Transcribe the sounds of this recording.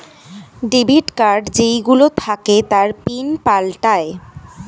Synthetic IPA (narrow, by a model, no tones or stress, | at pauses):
ɖibʱiʈkaɾɖd͡ʑejɡulot̪ʰaket̪aɾpinpalʈae